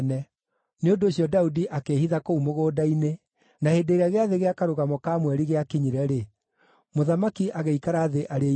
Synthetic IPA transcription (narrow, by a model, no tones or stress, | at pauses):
nɛ | neondoːɕiɔdaudiʔakeːhiðakoumoɣoːdaine | naheːdeːɾeaɣeaðeɣeakaɾoɣamɔkamwɛɾiɣeakiɲiɾɛɾe | moðamakiʔaɣeikaɾaːðeʔaɾe